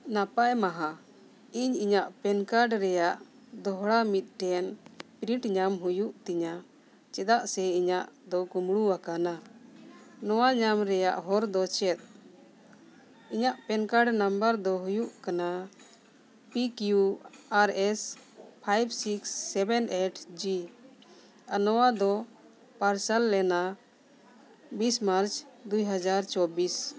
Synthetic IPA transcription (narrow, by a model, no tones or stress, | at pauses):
napajmaɦã | iɲiɲaʔpɛnkaɖɾɛjaʔ | d̪ɔɦɽamit̪̚ˀʈɛnpɾiʈɲamɦujuʔt̪iɲa | t͡ʃɛd̪aʔsɛiɲaʔd̪ɔkumɽuwakana | nɔwaɲamɾɛjaʔɦɔɾd̪ɔt͡ʃɛt̪̚ˀ | iɲaʔpɛnkaɽnambəɾd̪ɔɦujuʔkana | pikjuaɾɛspʰajbsiksːɛbɛnʔeʈʰd͡ʒi | anɔwad̪ɔ | paɾsəlːɛna | bismaɾt͡ʃd̪ujɦad͡ʒaɾt͡ʃɔbis